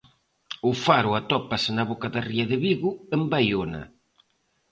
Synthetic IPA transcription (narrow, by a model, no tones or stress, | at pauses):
ʊfaɾʊat̪ɔpasenaβɔkaðariɐðɪβiɣʊembajonɐ̰